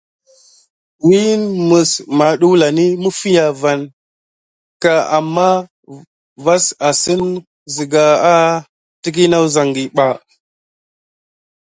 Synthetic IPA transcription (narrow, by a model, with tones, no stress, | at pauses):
wi˦nmə˨sma˨ɗu˦la˨ni˦mu˦fi˦ja˨va˨n | ka˨a˨mːa˦ | va˦sa˨si˦n | zi˨ɡa˨a˦ | ti˦k̬i˦na˦u˦za˨ŋɡi˨ɓa˨